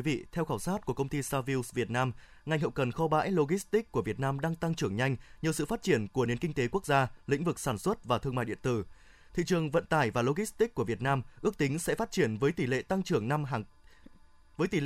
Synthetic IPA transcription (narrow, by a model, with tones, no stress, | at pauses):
i˨˦vḭ˧˨t̪ʰɛ˧wxaː˧˩wsaː˦˥t̚ku˧˩əkə˧wŋ͡mt̪i˧saː˧vi˧wsvi˨˩ət̚naː˧m | ŋa˨˩jŋ̟hə̰˧˨wkə˨˩nxɔ˨˦ɓa̰ː˧˥jlo˧ɣi˦˥st̪i˦˥k̚kːu˧˩əvi˨˩ət̚naː˧mɗaː˧ŋt̪a˧ŋt͡ɕɨ˧˩əŋɲa˧jŋ̟ɲɨ˨˩əwsɨ̰˧˨faː˦˥t̚t͡ɕi˧˩ənku˧˩əni˨˩ənki˧ŋ̟t̪e˨˦ku˦˥ək̚zaː˧lḭ̈˧˥ŋ̟vɨ˨˩k̚saː˧˩nswə˦˥t̚vaː˨˩t̪ʰɨ˧əŋma̰˧˨jɗḭ˧˨ənt̪ɨ˧˩ | t̪ʰḭ˧˨t͡ɕɨ˨˩əŋvə̰˧˨nt̪aː˧˩jvaː˨˩lo˧ɣi˦˥st̪i˦˥k̚ku˧˩əvi˨˩ət̚naː˧mʔɨ˦˥ək̚t̪ï˨˦ŋ̟sɛ̰˧˥faː˦˥t̚t͡ɕi˧˩ənvəː˨˦jt̪i˧˩lḛ˧˨t̪a˧ŋt͡ɕɨ˧˩əŋna˧mɦ | vəː˨˦jt̪i˨˩l